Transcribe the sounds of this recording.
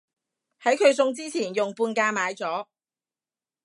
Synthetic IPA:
hɐ˨˥jkʰɵ˨˧ɥsʊ˧ŋt͡siː˥t͡sʰiː˨˩njʊ˨ŋpuː˧nkaː˧maː˨˧jt͡sɔː˨˥

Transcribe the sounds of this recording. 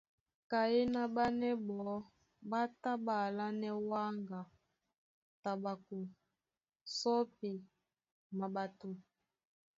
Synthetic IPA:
ka˨je˦na˨ba˦nɛ˦bɔ˨˦ | ba˦ta˦ba˨la˦nɛ˦wa˦ŋɡa˨ | ta˨ba˨ku˨ | sɔ˦pi˨ | ma˨ba˨tu˨

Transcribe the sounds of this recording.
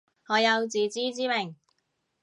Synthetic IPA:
ŋɔː˨˧jɐ˨˧wt͡siː˨˧t͡siː˥t͡siː˥mɪ˨˩ŋ

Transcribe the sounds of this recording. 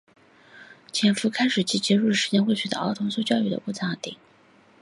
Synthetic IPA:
t͡ɕʰjɛ˨˥nfu˧˥kʰa˥ɪʂɻ̩˨˩t͡ɕʰi˥t͡ɕjɛ˧˥ɻu˥˩ʂɻ̩˧˥t͡ɕjɛ˥˧nxwe˥˩ɪɕʰɛ˧˥d̪ə̰˧ɑ̰˥ʊt̪ʰʊ˧˥ŋswu˥˧ʊt͡ɕjɑ˥˧ʊy˥˩d̪ə̰˦pu˥˩t͡sʰa˥˩t̪ḭ˨˩˦

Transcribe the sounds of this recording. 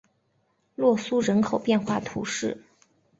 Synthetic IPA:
lwɔ˥˩su˥ɻə˧˥nkʰo˨˩ʊpjɛ˥˧nxwa˥˩t̪ʰṵ˧˥ʂɻ̩˥˩

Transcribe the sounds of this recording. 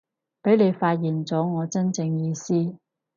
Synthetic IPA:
pe˨˥jne˨˧jfaː˧t̚jiː˨˩nt͡sɔː˨˥ŋɔː˨˧t͡sɐ˥nt͡sɪ˧ŋjiː˧siː˥

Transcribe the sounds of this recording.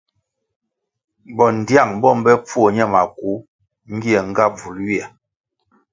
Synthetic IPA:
bɔ˨n˨dja˦˨ŋbɔ˦˨mbɛ˦p͡fu˦o˨ɲɛ˦˨ma˨ku˨˦ | ŋ̩˦ɡi˦ɛ˨ŋ˦ɡa˦b͡vu˨˦lwi˦ɛ˨

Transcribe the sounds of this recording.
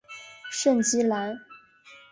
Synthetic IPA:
ʂə˥˩nt͡ɕi˥la˧˥ɪ

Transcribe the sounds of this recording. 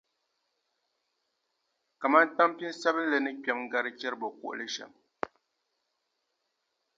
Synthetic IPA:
ka˨ma˦n̩˦ta˦mpji˦n˦sɛ˦bɨ˦n˦lɛ˨nɨ˦ka˨˦m˦ɡa˨ɾɨ˦t͡ʃɛ˦ɾbɔ˨kṵ˨ʔlɛ˦ʃa̰˨m

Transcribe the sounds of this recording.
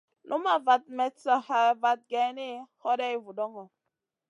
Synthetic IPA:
lʔu˦ma˨va˨t̚mɛ˨sa˨ha˨va˨t̚ɡɛ˨ne˦hɔ˦dɛ˦e˦vu˨dɔ˦ŋɔ˨

